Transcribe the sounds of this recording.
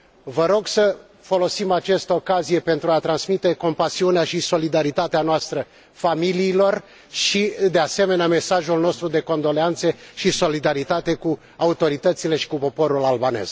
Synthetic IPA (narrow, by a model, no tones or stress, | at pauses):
vəɾo̞ɡsə | fo̞lo̞simat͡ʃest̪əokazije̞pe̞nt̪ɾuat̪ɾansmit̪e̞ko̞mpasiuneaʃiso̞lid̪aɾit̪at̪eanoast̪ɾə | familiːlo̞r | ʃid̪e̞ase̞me̞neame̞saʒulno̞st̪ɾud̪e̞ko̞nd̪o̞leant̪səʃiso̞lid̪aɾit̪at̪e̞ku | aut̪o̞ɾit̪ət̪sile̞ʃi̥kupo̞po̞ɾulalbane̞̰z̥